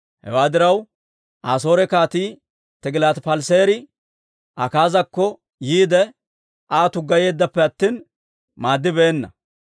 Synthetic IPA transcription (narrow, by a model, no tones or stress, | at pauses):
hɛ̰waːd̪ɪɾɐw | ʔaːs̬o̞ːɾɛkaːt̪iː | t̪ɛɡɪlaːt̪pɐlseːɾɪ | ʔɐkaːzɐkːɔ | jiːd̪ɛ | ʔaːt̪ʊɡɐje̞ːd̪ːɐpːɛɐt̪ːiːn | maːd̪ːɪbe̞ːnːɐ̰